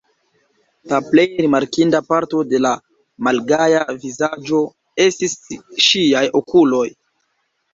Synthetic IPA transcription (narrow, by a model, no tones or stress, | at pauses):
laple̞jɾimaɾkindapaɾto̞de̞la | malɡajavizad͡ʒo̞ | e̞stisʃiajokulo̞j